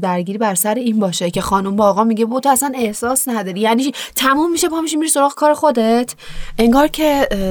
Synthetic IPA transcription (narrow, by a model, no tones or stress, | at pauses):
d̪æɾɟiːɾiːbæɾsæɾeiːnbɒːʃe̞cʰe̞xɒːnumbɒːɣɒːmiɟebot̪ʰoæsæne̞hsɒːsnæd̪ɒɾijænit̪ʰæmumːiʃepʰɒmiʃimiɾiso̞ɾɒːɣekʰɒːɾexod̪e̞t̪ʰʔe̞ŋɡɒːɾcʰe